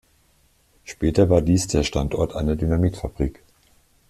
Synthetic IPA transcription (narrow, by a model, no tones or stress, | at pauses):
ʃpɛːtɐvaːɐdiːsd̥eːɐʃtantɔɐtʔaɪnɐdynamiːtfab̥ʁiːk